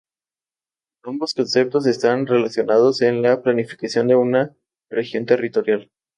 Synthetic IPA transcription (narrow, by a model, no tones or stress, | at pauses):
ambo̞sko̞nse̞p̚t̪os̬e̞st̪anre̞lasjo̞nað̞o̞se̞nlaplanifi̥kasjo̞nd̪e̞una | rexjo̞nt̪e̞rit̪o̞ɾjal